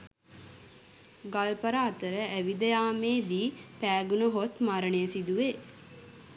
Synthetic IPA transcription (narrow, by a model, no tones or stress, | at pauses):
ɡalpəɾaːt̪əɾəʔæʋid̪əjaːmeːd̪iːpæːɡunəɦot̪maɾəɳejsid̪uʋe